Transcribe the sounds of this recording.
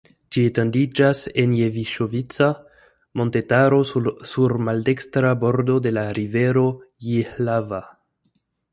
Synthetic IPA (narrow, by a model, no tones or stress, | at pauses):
d͡ʒietendid͡ʒase̞njeviʃovit͡sa | mo̞ntetaɾo̞suɾmalde̞kstɾabo̞ɾdo̞de̞laɾive̞ɾo̞jihlava